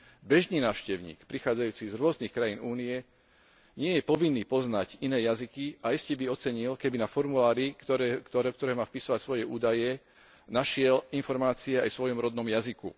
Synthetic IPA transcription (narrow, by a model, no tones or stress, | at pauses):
bɛʒniːnaːʊʃcɛʊɲḭːkpɾixaːd͡zajuːt͡sizɾʊɔznixkɾajiːnuːniɛ | ɲɪɛjɛpɔʋinːiːpɔznaɟinɛːjazikiaiscɛbiɔt͡sɛɲilkɛbinafɔɾmulaːɾikt̪ɔɾk̚t̪ɔɾɛːmaːfpisɔʋacsʋɔjɛʔuːd̪ajɛ | naʃɪɛlinfɔɾmaːt͡siɛajsʋɔjɔmɾɔd̪nɔmjazikṵ